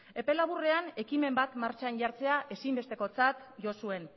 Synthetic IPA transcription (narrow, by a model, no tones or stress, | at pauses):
e̞pe̞laβure̞ane̞kime̞mbat̪maɾt͡ʃanɟaɾt͡se̞aʔe̞simbe̞st̪e̞ko̞t͡sat̪ʝo̞sue̞n